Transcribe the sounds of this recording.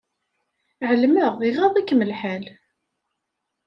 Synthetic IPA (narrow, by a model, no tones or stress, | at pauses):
ʕəlməʁiʁɑðˤækːməlħal